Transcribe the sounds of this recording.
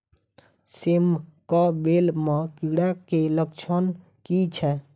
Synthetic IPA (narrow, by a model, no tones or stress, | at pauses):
semkɔbelmekiɽakeləkt͡ʃʰən | kit͡ʃʰɛ